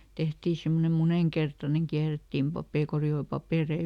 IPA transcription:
tehtiː simːonem muneŋkertɑneŋ kiæretːiːm pɑpeˑ korioi pɑpeˑrei

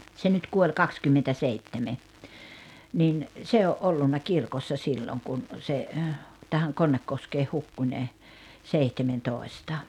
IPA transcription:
se nyt kuolʲ kɑkskymːentæseitːeme nin se oʔ ʔolːunːɑ kirkosːɑ silːoŋ kun se tæhæŋ konːekːoskeːh hukːu nʲe seihtementoˑi̞stɑ

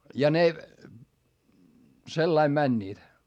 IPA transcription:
jɑ ne selːɑim mænʲːiːt

